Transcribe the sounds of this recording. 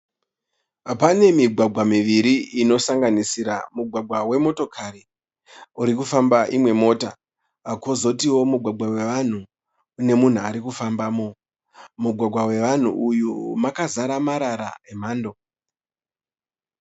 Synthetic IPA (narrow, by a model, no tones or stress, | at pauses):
apane̞miɡʱwaɡʱwamiʋiɾiino̞saŋɡanisiɾamuɡʱwaɡʱwawe̞mo̞to̞kʰaɾi | uɾikufambaʔimwe̞mo̞ːtaː | kozo̞tiwo̞muɡʱwaɡʱwawe̞ʋan̤uː | ne̞mun̤uaɾikufambaːmo | muɡʱwaɡʱwawe̞ʋan̤ṵʔujumakazaɾamaɾaɾa̰em̤aːndo̞